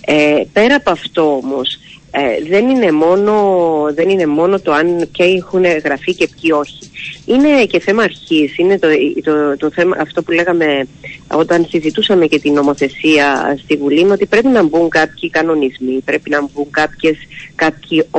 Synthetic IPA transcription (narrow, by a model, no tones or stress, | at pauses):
epe̞ɾɐpɐft̪o̞omo̞seðe̞nine̞mo̞no̞ðe̞nine̞mo̞no̞t̪o̞ɐnpçɐexuneɣɾɐfice̞pcio̞çi̥ine̞ce̞θe̞mɐːɾçisine̞t̪ot̪ot̪oθe̞mɐʔːft̪opule̞ɣɐme̞o̞t̪ɐnsizit̪usɐme̞ce̞t̪ino̞mo̞θe̞siɐst̪ivuliineo̞t̪ipɾe̞pinɐmbuŋkɐpçikɐno̞nizmipɾe̞pinɐmbuŋkɐpçe̞skɐp̚çi